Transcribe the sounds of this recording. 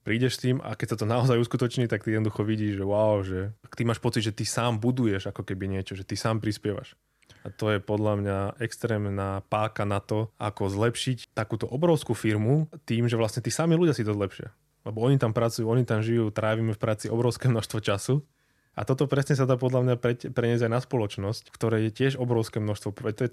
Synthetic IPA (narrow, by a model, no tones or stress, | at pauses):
pɾiːɟɛʃst̪iːma̰kɛc̚sat̪ɔnaɔzajuskut̪ɔt͡ʃɲiːt̪ak̚t̪iɛd̪nɔd̪uxɔʋiɟiːʒʒɛwaʊʒɛkt̪imaːʃpɔt͡sid̪ʒɛt̪isaːmbud̪ujɛʒakɔkɛbiɲɪɛt͡ʃɔʒɛt̪isaːmpɾispɪjɛʋa̰ʃ | at̪ɔjɛpɔd̪lamɲaʔɛkst̪ɾɛːmnaːpaːkanat̪ɔʔa̰kɔzlɛpʃict̪akuːt̪ɔʔɔbɾɔʊskufiɾmut̪iːmʒɛʋlasɲɛt̪isamiluɟjasid̪ɔzlɛpʃɪa̰ | lɛbɔɔɲit̪ampɾat͡sujuɔɲit̪amʒijuːt̪ɾaːʋiːmɛfpɾaːt͡siʔɔbɾɔʊskɛːmnɔʃst̪ʋɔt͡ʃasu | a̰t̪ɔt̪ɔpɾɛsɲɛs̬ad̪aːp̬ɔd̪lamɲapɾɛpɾɛɲɪɛzajnaspɔlɔt͡ʃnɔsckt̪ɔɾɛːjɛcɪɛʒɔbɾɔʊskɛːmnɔʃst̪ʋɔpɛt̪ɔjɛ